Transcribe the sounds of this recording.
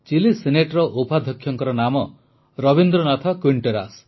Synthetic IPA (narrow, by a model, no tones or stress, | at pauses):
t͡ʃilisineʈɾɔʔopad̪ʱjɔkʰːjɔŋkɔɾɔnamɔ | ɾɔbind̪ɾɔnat̪ʰakwiɳʈeɾa̰s